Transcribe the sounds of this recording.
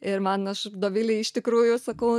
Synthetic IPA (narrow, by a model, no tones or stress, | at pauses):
ɪɾmɐnɐʃd̪oːʋʲɪlʲɪɪʃt̪ʲɪkɾuːjʊsɐkɐʊ